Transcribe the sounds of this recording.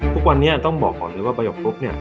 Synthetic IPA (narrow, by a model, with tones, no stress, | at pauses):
t̪ʰu˦˥k̚wa˧nːi˦˥ɐt̪ɔ˥˩ŋbɔː˨˩k̚ɔː˨˩lɤː˧jwaː˥˩baː˧jo˨˩k̚ɾo˦˥k̚ni˥˩ɐ